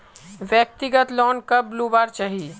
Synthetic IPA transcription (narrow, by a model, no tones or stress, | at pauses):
ʋjək̚t̪ɪɡət̪lɔːnkɐbluːbaːɾt͡ʃaːɦi